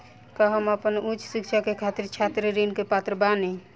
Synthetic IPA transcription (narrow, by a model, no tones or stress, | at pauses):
kəɦəməpənut͡ʃsik̚t͡ʃʰakekʰat̪iɾt͡ʃʰat̪ɾɾinkepat̪ɾəbani